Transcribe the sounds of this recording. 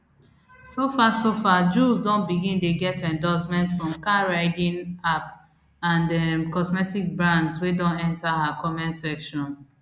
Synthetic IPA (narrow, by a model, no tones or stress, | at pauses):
sofasofad͡ʒuzdɔ̃nbiɡĩndeɡɛtɛ̃ndɔsmɛ̃ntfɹɔ̃mkaɹaɪdĩnap | ãndɛmkɔsmɛtik̚bɹãndswedɔ̃nɛ̃ntahakʰɔmɛ̃nsɛkʃɔ̃n